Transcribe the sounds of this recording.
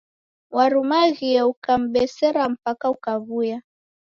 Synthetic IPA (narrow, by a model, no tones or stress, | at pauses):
waɾumaɣiɛukam̩ɓɛsɛɾam̩pakaukaβuja